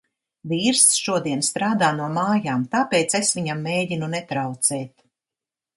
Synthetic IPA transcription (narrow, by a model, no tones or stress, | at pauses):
viːɾsʃuɔd̪iɛnst̪ɾaːd̪aːnuɔmaːjaːmt̪aːpeːt̪sesvʲiɲamːeːɟinunɛt̪ɾawt̪sɛːt̪